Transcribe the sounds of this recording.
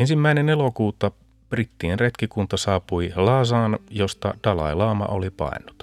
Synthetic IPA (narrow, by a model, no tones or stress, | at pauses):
ensimːæinenelokuːt̪ɑ | b̥rit̪ːienret̪kikunt̪ɑsɑːpuilɑːsɑːnjo̞st̪ɑ̰dɑlɑ̰jlɑːmɑ̰ʔolipɑ̰inːˑu̥t̪